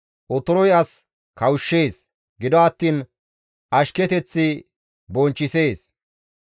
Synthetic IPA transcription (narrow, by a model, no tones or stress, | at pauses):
ʔɔt̪ɔɾɔjɐs | kɐwʃːeːs | ɡɪd̪ɔɐt̪ːiːn | ʔɐʃkɛt̪ɛt͡sːɪ | bɔnt͡ʃːɪse̞ːs